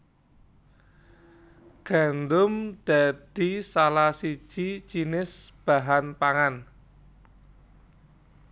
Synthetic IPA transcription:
ɡ̥a̤nd̪ʊmd̪̥a̤d̪̥isalasi̥ʒ̥it͡ʃinɪsb̥a̤ɦanpaŋan

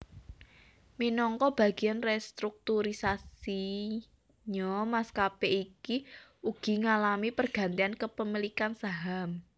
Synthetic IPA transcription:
minɔŋkɔb̥a̤ɡ̥i̤anrɛst̪ɾuk̚t̪uɾisasi | ɲɔmaskapɛʔikiuɡ̥i̤ŋalamipərɡ̥a̤nt̪iankəpəmilikansaɦam

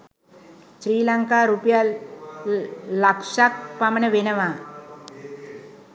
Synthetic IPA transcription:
ʃɾiːlaŋkaɾupja | lakʂak̚pamɐnəʋenəʋa

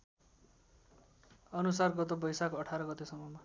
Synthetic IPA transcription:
ʌnusarɡʌt̪obʌjsakoʌʈʰaɾʌɡʌt̪esʌmʌma

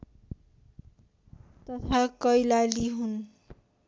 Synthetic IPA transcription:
t̪ʌpʰãkʌjlaliɦun

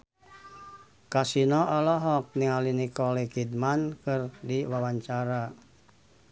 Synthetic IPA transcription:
kasinɔʔɔlɔɦɔk̚niŋalinikɔlikidmankɨrdiwawaɲt͡ʃaɾa

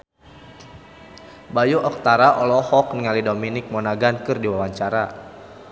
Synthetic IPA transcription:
bajuʔɔk̚t̪aɾaʔɔlɔhɔk̚niŋalidominɪk̚mɔnaɡankɨrdiwawaɲt͡ʃaɾa

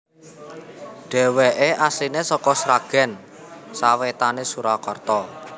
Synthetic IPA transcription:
ɖ̥ɛ̤weʔeʔasinesɔkɔsɾaɡ̥ɛ̤n | sawet̪anesuɾakɔrt̪ɔ

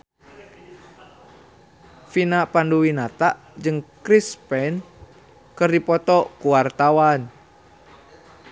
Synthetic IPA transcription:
finapanduwinat̪aʔ | d͡ʒɨŋkɾispɛn | kɨrdipɔt̪ɔkuwart̪awan

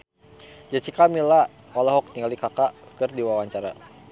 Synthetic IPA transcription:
d͡ʒat͡ʃikamila | alaɦɔk̚t̪iŋalikakakərdiwawaɲt͡ʃaɾa

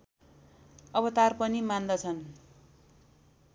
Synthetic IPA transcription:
ʌbʌt̪arpʌnimand̪ʌt͡sʰʌn

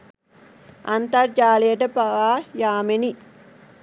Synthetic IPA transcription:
ɐnt̪aɾd͡ʒaːleːʈɐpɐʋajaːmeni

